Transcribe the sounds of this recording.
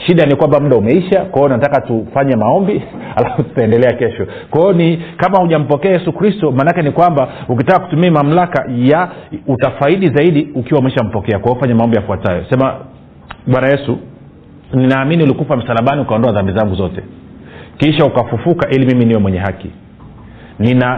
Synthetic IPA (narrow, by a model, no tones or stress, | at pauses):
ʃiɗanikwambamuɗaumɛiʃakwajɔnatakatufaɲɛmaɔmbi | alafutu̥taɛndɛlɛakɛʃɔ | kwajɔnikamahuʄam̩pɔkɛajɛsukɾistɔmaːnakɛnikwambauk̬itakaku̥tumiɛmam̩laka̰jautafaiɗizaiɗiukiwaumɛɛʃam̩pɔkɛakwaɔfaɲamaɔmbijafuatajɔ̰sɛma | ɓwanajɛsu | ninaːminiulikupam̩salaɓaniukaɔndɔaðambizaŋɡuzɔtɛ | kiʃaukafufukaʔilimiminiwɛmwɛɲɛɦakḭ | nina